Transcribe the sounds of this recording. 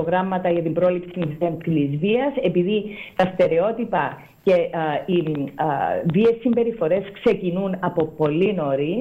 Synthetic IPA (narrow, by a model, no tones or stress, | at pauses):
poɣɾɐmːɐt̪ɐʝɐt̪imbɾo̞lipsinizeɐnfilizviɐse̞piðit̪ɐst̪e̞ɾe̞o̞t̪ipɐ | ce̞i | ðiesːimbe̞ɾifo̞ɾe̞skse̞cinunɐpo̞po̞lino̞ɾi